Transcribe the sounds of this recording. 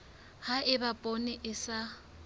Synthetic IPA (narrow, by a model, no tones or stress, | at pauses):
haɪbapʼonɪʔɪsa